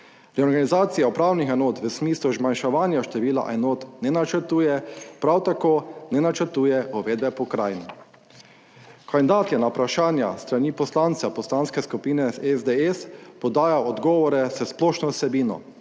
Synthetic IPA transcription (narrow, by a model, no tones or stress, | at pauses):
ɾɛɔɾɡanizaːt̪sijaupɾaːwnixɛnoːt̪ʋəsmiːsluzmanʃɛʋaːnjaʃt̪ɛʋiːla̰ʔɛnoːt̪nɛnat͡ʃəɾt̪uːjɛpɾawt̪akoːnɛnat͡ʃəɾt̪uːjɛɔʋeːd̪bɛpɔkɾaːjnɛ | kʰand̪aːt̪jɛnapɾaʃaːnja̰st̪ɾaniːpɔslant̪sapɔslanskɛskupiːnɛɛzd̪eɛspɔd̪aːjaɔd̪ɡɔːʋɔɾɛzəsplɔːʃnɔsɛbiːnɔ̰